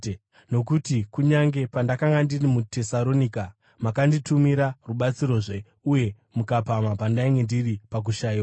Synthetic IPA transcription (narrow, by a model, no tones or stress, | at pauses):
no̞kutikuɲaŋɡe̞pandakaŋɡandirimute̞saɾo̞nika | makanditumiɾaruɓat͡siɾo̞ʐe̞ | uje̞ | mukapamapandaiŋɡe̞ndiripak̬uʃajia